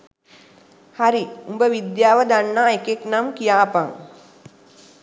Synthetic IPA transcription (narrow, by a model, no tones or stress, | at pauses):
haɾiumbəʋid̪jaːʋəd̪anːaːekeknamkijaːpaŋ